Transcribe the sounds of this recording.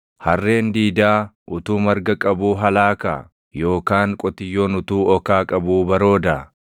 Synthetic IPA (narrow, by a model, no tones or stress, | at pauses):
hɐrːe̞ːnd̪iːd̪aːʔʊt̪uːmɐɾɡɐkʼɐbuːɦɐlaːka̰ | jo̞ːkaːŋkʼɔt̪ɪjːo̞ːnʊt̪uːɔkaːkʼɐbuːbɐɾo̞ːd̪ɐ